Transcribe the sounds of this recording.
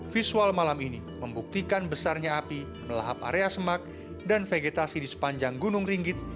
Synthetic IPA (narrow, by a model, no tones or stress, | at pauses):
fisualmalamini | məmbuk̚t̪ikanbəsarɲaapi | məla̰ɦapa̰ɾeasəmak̚ | danfeɡet̪asidisə̥paɲd͡ʒaŋɡunʊŋriŋɡɪt̪̚